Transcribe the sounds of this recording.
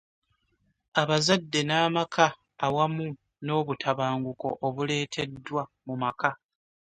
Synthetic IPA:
aβazadːe̞naːmakʰaː | wamu | no̞ːβutʰaβaːŋɡuko̞̰ʔoβule̞ːtʰe̞dːwamumaka

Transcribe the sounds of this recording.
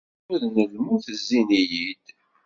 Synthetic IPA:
ʊðnəlmuθəzːinijid̪̥

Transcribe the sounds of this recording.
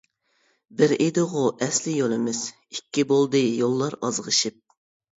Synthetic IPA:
bɪɾʔed̪ɨʁʊʔɛslɪjolˠɨmɪz̥ | ikʲːibolˠd̪ɨjolˠːɑɾɑzʁəʃɨp̚

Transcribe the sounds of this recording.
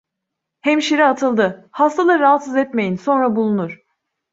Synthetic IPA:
hɛmʃiɾiat̪ʰɯlˠd̪ɯhast̪ʰalˠaɾɯɾaɦat̪sɯzɛt̪me̞jinso̞nɾabulˠunuɾ̝̥

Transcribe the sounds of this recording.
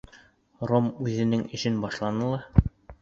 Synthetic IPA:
romʉðɘ̆nɘŋɘ̆ʃɘnbɑʃlˠɑnɤlˠɑ

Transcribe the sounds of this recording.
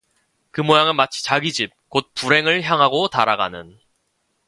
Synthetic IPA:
kɯmojaŋɯnmat͡ɕʰi̥t͡ɕaɡid͡ʑip̚kot̚puɾe̞ŋɯɭçjaŋɦaɡotaɾaɡa̰nɯn

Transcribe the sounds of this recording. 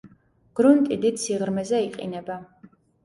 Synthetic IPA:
ɡ̥ɾunt̪ʼid̪it̪siʁɾmɛzɛiqʼḭnɛba

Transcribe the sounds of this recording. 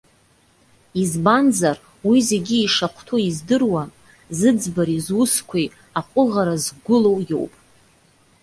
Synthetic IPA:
izbanzar | wize̞ɡʲiːʂaχʷʰtʰuizdɨrwa | zɨd͡zbaɾizwʊskʷʰej | aqʷʼʊʁaɾazɡʷʊlo̞wjo̰wpʼ

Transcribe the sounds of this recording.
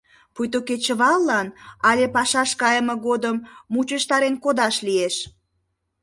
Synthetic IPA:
pujt̪oket͡ɕəβɑlːɑnɑlʲepɑʃɑʃkɑjəmɤ̆ɣod̪əmːut͡ɕəʃt̪ɑɾenkod̪ɑʃlieʃ

